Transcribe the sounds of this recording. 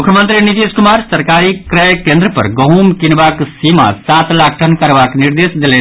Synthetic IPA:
mʊkʰjəmə̃nt̪ɾinit̪eːskʊmaːɾsɐɾkaːɾikɾɛjkẽːnd̪ɾəpɐ̰ɾɡɐɦumkɪnʋaːksima̰saːt̪laːkʰʈənkɐɾʋaːknɪɾd̪eːsd̪ele

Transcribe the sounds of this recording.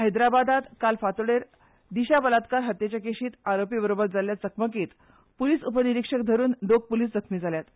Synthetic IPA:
ɦəjd̪ɾabad̪at̪kalfat̪ɽeɾ | d̪iɕabəlat̪kaɾɦət̪jet͡ɕakeɕiːt̪aɾopibəɾobəɾd͡zaljat͡səkʰməkiːt̪ | puliːsupəniɾikʂək̚d̪ʱəɾuːnd̪ok̚puliːsd͡zəkʰmiːd͡zʱaljat̪

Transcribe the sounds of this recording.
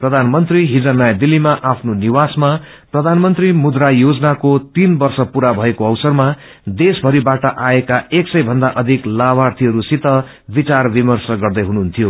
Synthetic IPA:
prʌd̪ʱanmʌnt̪riɦid͡zʌnːajd̪ilːimaʔapʰnoniwasma | prʌd̪ʱanmʌnt̪rimud̪rajod͡zʌnakot̪inbʌrsʌpuɾabʱʌekoʌwsʌrma | d̪esbʱʌɾibaʈʌʔaekaeksʌjbʱʌnd̪aʔʌd̪ʱiklabʱart̪ʰiɦʌɾusit̪ʌ | bit͡sarbimʌrsʌɡʌrd̪ʌjɦunuɦunt̪ʰijo

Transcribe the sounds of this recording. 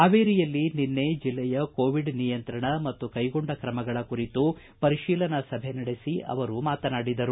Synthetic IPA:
aʋeːɾijɐlːininːe̞d͡ʒilːɛjɐkoːʋiɖnijɐnt̪ɾɐɳɐmɐt̪ːukɐjɡoɳɖɐkɾɐmɐɡɐɭɐkuɾit̪u | pɐɾiʃiːlɐnɐsɐbʱenɐɽesiʔɐ̰ʋɐɾumaːt̪ɐnaːɽid̪ɐɾu

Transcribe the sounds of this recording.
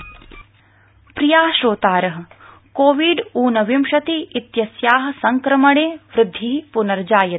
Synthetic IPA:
pɾijaːʃɾoːt̪aːɾɐɦɐ̆ | koːʋiːɖuːnɐʋimʃɐt̪iːt̪jɐsjaːɦɐ̆sɐŋkɾɐmɐɳeːʋɾɪd̪ʱːiɦipunɐɾd͡ʒaːjɐt̪

